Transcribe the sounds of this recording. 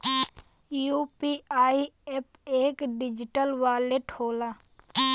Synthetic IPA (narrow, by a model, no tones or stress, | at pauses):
juːpiːaːiep | eːkɖɪd͡ʒɪʈəlʋaːleʈoːlaː